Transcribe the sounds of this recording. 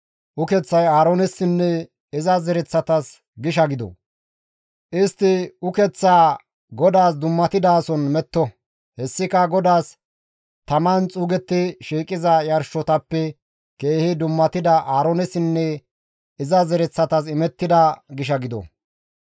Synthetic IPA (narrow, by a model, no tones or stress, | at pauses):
ʔʊkɛt͡sːɐjaːɾonɛsɪnːɛ | ɪzɐzɛɾɛt͡sːɐt̪ɐs | ɡɪʃɐɡɪd̪ɔ̰ | ʔɪst̪ːɪʊkɛt͡sːaː | ɡɔd̪aːsd̪ʊmːɐt̪ɪd̪aːsɔnmɛt̪ːɔ | hɛsːɪkɐɡɔd̪aːs | t̪ɐmɐnt͡sʼuːɡɛt̪ːɪʃiːkʼɪzɐjɐɾʃɔt̪ɐpːɛ | keːhɪd̪ʊmːɐt̪ɪd̪ɐʔaːɾoːnɛsɪnːɛ | ɪzɐzɛɾɛt͡sːɐt̪ɐs̬ɪmɛt̪ːɪd̪ɐɡɪʃ̬ɐɡɪd̪ɔ̰